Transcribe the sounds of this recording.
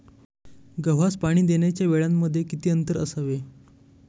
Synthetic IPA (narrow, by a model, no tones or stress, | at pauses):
ɡəʋ̤aspaɽ̃iːd̪eɳjat͡ɕjaʋeɭamːəd̪ʱːjekit̪iːənt̪əɾə̰saʋe